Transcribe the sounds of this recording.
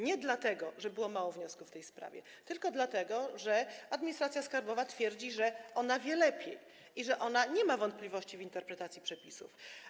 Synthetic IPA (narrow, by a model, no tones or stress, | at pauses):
ɲɛd̪lat̪ɛɡɔʐɛbɘwɔmawɔvɲɔskuft̪ɛjspɾa̰vʲjɛ̰ | t̪ɘlkɔd̪lat̪ɛɡɔʐɛad̪mʲiɲist̪ɾat̪sʲjaskaɾbɔvat̪fʲjɛɾd͡ʑiʐɛɔnavʲjɛlɛpʲjḛj | iʐɛʔɔnaɲɛmavɔnt̪̚plʲivɔɕt͡ɕivint̪ɛɾpɾɛt̪at̪sʲjipʂɛpʲisṵf